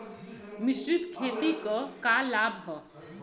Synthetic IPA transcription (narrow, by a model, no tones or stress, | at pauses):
mɪʃɾɪt̪kʰeːt̪ikɔkalaːbʱɦɔ